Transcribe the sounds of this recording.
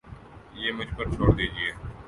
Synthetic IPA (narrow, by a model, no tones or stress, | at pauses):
jeːmʊd͡ʒʱpəɾt͡ʃʰoːɽd̪iːd͡ʒɪeː